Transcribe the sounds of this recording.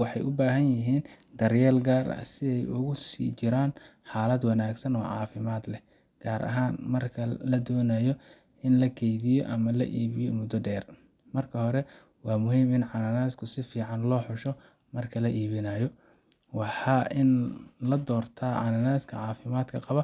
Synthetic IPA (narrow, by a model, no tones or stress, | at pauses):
wɑħɑjʔʊbaːɦɐnjɪɦiːnd̪ɐrjɛːlɡaːrɐ̰sɪɛjʊɣʊsḭːt͡ʃɪɾaːnħɑːlɐd̪wɑnaːɡsɐnɔːʕɑːfɪmaːd̪lɛ | ɡ̥aːɾʔɐ̰ɦaːnmɐrkʰɐlɐd̪ɔːnajɔ | ʔɪnlɐkʰɛjðɪjɔ̰ʔɐmɐlɐ̰ʔiːβɪjɔmʊd̪ɔɖɛːr | mɐrkʰɐhɔɾɛ | wɑːmʊɦiːmɪnʕɑnanaːskʰʊsɪfiːʕɑnlɔːħʊʃɔ | mɐrkʰɐlɐʔiːβɪnajɔ | wɑħɑʔɪnlɐd̪ɔːrt̪ʰaːʕɑ̰nanaːskʰɐ̰ʕɑːfɪmaːd̪kʰɐqɑβɐ